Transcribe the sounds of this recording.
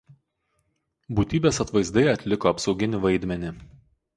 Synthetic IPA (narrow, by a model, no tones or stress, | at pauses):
buːt̪ʲiːbʲeːsɐt̪ʋɐɪzd̪ɐɪɐt̪ʲlʲɪkoɐpsɒʊɡʲɪnʲɪʋɐɪd̪ʲmʲɛnʲɪ